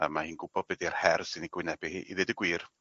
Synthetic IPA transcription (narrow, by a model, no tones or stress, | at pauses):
a̰mahiːnɡʊbɔd̚bɛdiar̥hɛrsɪniɡwɪnɛbɪhḭːʔḭðɨdəɡwiːr